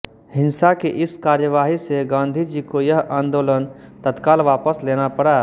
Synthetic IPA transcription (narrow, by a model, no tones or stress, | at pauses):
hɪ̃nsakeʔɪskaːɾjəʋaːɦiseɡãːnd̪ʱid͡ʒikojɐɦãːnd̪oːlənt̪ət̪kaːlʋaːpəsleːnapɐɽaː